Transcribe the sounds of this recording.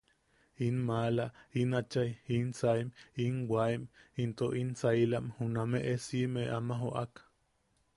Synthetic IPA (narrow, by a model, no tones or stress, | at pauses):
inmalainat͡ʃajinsaiminwaimint̪oʔinsailaʔmhunameʔesimeamaɦoʔak